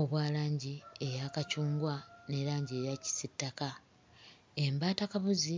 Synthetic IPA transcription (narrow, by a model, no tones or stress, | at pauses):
o̞βwaːlaːɲɟie̞jakacuːŋɡwane̞ɾaːɲɟie̞ːjaci̥sitːaka | embaːtakaβuzi